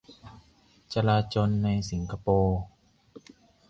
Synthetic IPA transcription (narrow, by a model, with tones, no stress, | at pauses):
t͡ɕa˧laː˧t͡ɕo˧nːa˧jsi˩˦ŋkʰa˧poː˧